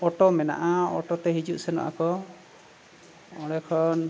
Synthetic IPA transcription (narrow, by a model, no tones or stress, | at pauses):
ɔʈɔmɛna̰ʔaɔʈɔt̪ɛɦid͡ʒuʔsɛnɔ̰ʔa̰kɔ | ɔɽ̃ɛkʰɔn